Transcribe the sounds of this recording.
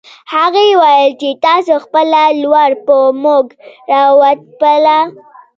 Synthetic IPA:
haɣewajəlt͡ʃet̪ɑsoxpəlalwaɽpəmoɡɾɑwat̪̚pəla

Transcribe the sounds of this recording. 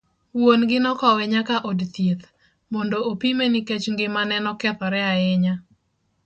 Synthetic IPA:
wonɡɪnɔkɔwɛɲakaʔodt̪jet̪ | mɔndoopimeniket͡ʃŋɡɪmanɛnɔkɛt̪ɔɾɛaɪɲa

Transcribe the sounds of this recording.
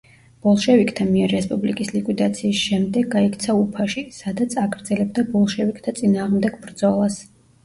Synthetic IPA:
b̥ɔlˠʃɛvikʰʼt̪ʰamiɛɾːɛspʼublikʼislikʼwid̪at̪sʰiːsʃɛmd̪ɛɡːaikʰʼt̪sʰaupʰaʃisad̪at̪sʰaɡɾd̪zɛlɛbd̪abɔlˠʃɛvikʰʼt̪ʰat̪sʼinaːʁmd̪ɛɡ̥bɾd̪zɔlˠas

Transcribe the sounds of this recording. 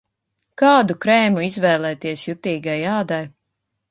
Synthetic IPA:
kaːd̪ukɾɛːmuizvɛːlˠɛːt̪iɛsjut̪iːɡajaːd̪aj

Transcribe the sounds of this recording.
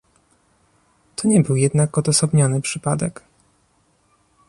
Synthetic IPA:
t̪ʰɔɲɛbɘwjɛd̪nakɔd̪ɔsɔbɲɔnɘpʂɘpad̪ɛk

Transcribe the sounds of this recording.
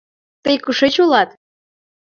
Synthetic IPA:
t̪əjkəʃet͡ɕolɑt̪

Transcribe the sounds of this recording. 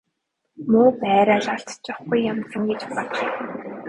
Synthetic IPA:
mʊːpæːɾaːɮaɬt̪t͡ɕɔχɡujːamt͡sə̆ŋɡet͡ɕpɔt̪̆ɮ̆

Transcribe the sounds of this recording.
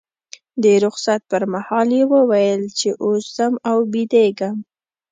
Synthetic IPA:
d̪əɾʊxsat̪̚pəɾmahɑljewəwajəlt͡ʃeʔoszəmawbid̪eɡəm

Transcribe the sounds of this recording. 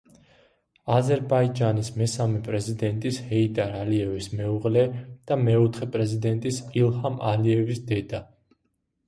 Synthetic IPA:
azɛɾbaid͡ʒanismɛsamɛpʼɾɛzid̪ɛnt̪ʼishɛid̪ʼaɾaliɛvismɛuʁlɛd̪̥amɛɔt̪ʰχɛpʼɾɛzid̪ɛnt̪ʼisilˠhamaliɛvisd̪ɛd̪a

